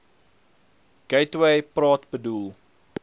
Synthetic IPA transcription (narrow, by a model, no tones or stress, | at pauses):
ɡ̥ɛjtwɛjprɑːtbədulˠ